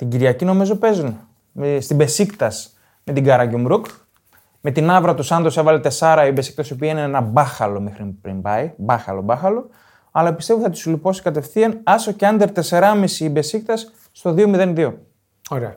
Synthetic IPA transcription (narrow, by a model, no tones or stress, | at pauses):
t̪iɲɟiɾʝɐcino̞mizo̞pe̞zun | mst̪ibe̞sikt̪ɐs | me̞t̪iɡɐɾɐɟomɾuk | me̞t̪inɐvɾɐt̪usɐnd̪o̞se̞vɐlet̪e̞sɐɾɐibe̞sik̚t̪ɐsio̞p̬iɐinenɐbɐxɐlo̞mexɾipɾḭmbɐjbɐxɐ̰lo̞̰bɐxɐlo̞ | ɐlɐpist̪euθɐt̪u̥sulipo̞si̥kɐt̪e̞fθiɐnɐso̞ceɐnd̪eɾt̪e̞se̞ɾɐmisiːbe̞sik̚t̪ɐsː | t̪o̞ðio̞miðe̞nðio̞ | oɾeɐ